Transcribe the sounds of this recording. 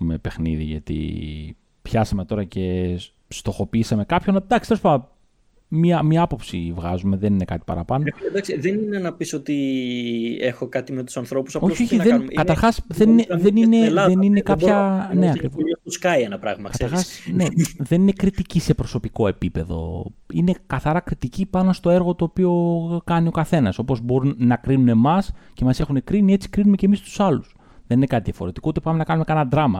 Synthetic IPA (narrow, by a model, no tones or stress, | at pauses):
mepe̞xnḭðḭʝɐt̪ḭ | pçɐsɐme̞t̪o̞ɾɐce̞ | st̪o̞xo̞piisɐme̞kɐpço̞nɐd̪ɐksi̥t̪ospɐɐ | miɐmɲɐɐpo̞psivɣɐzume̞ðe̞nine̞kɐt̪i̥pɐ̰ɾɐpɐno̞d̪ɐksiðeninenɐpiso̞t̪i | exo̞kɐt̪imet̪u̥sɐnθɾo̞pu̥sɐpooçio̞çiðenkɐt̪ɐɾxɐsðenineðenineðeninekɐpçɐneɐkɾivoskɐienɐpɾɐ̰ɣmɐkɐɐɾxɐsneðe̞nine̞kɾit̪icise̞pɾo̞so̞piko̞e̞pipe̞ðo̞̰ine̞kɐθɐɾɐkɾit̪icipɐnost̪o̞e̞ɾɣo̞t̪o̞ːpio̞kɐnio̞kɐθe̞nɐso̞po̞zbo̞ɾunːɐkɾinune̞mɐsce̞mɐse̞xune̞kɾinie̞t͡si̥kɾinume̞ce̞mist̪u̥sɐlus | ðenine̞kɐt̪iðiɐfo̞ɾe̞t̪i̥kout̪e̞pɐmenɐkɐnumekɐnɐd̪ɾɐmɐ̰